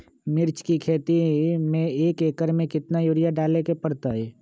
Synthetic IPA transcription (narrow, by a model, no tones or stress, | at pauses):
mɪɾt͡ʃkikʰeːt̪imẽeːkeːkəɾmẽkɪt̪najoːɾijaɖaːlekepəɾt̪aɦeː